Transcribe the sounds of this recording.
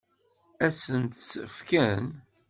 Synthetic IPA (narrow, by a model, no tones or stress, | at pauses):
æsənt̪səfkæn